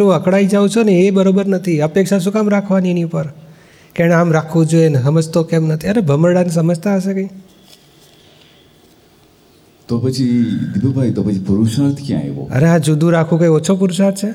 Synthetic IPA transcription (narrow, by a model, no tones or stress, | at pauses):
ũəkɽaid͡ʒaũt͡ʃʰoneːbəɾobəɾnət̪ʰiəpekʃaʃ̬ũkamɾakʰʋaniəniupəɾ | kɛ̃ɽeamɾakʰʋõd͡ʒoenesəməd͡ʒt̪okemnət̪ʰiənebʱəməɽanis̬əməd͡ʒʱt̪ʰaəʃekə̃i | t̪opət͡ʃʰid̪ibəbʱajt̪opət͡ʃʰipuɾuʃaɾt̪ʰkjã̰ḛʋo̰ə̰ɾeɦãd͡ʒud̪ʱũɾakʰũkə̃iot͡ʃʰop̬uɾuʃaɾt̪̚ʰt͡ʃʰe